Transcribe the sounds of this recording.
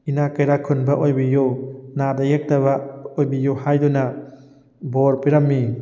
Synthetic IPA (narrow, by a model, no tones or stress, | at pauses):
inakɐjɾakʰunbɐʔojbijuwnadɐjek̚tɐβɐojbijuhajdunɐ | boɾpiɾɐmːi